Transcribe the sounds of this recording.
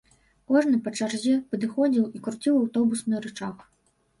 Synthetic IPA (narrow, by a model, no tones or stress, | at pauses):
kɔʐnɨpɐt͡ʂarzʲɛpɐd̪ɨxɔd͡zʲiwikɾut͡sʲiwawt̪ɔbusnɨɾɨt͡ʂax